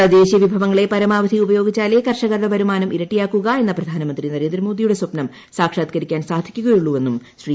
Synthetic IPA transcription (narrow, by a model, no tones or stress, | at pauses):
ɐd̪eːɕijɐʋibʱɐʋɐŋːɐɭe̞pɐɾɐmaːʋɐd̪ʱiubɐjo̞ːɡit͡ɕːaːle̞kɐrʂɐɣɐrðɐbʱɐɾumaːnɐmʔiɾɐʈːijaːkːuɣɐe̞nːɐprɐd̪ʱaːnɐmɐnd̪rinɐɾe̞ːnd̪ɾɐmo̞ːd̪ijuɽe̞swɐpnɐm | saːkʂaːt̪kɐɾikʲːaːnsaːd̪ʱikʲːuɣɐjuɭːuʋe̞nːumɕriː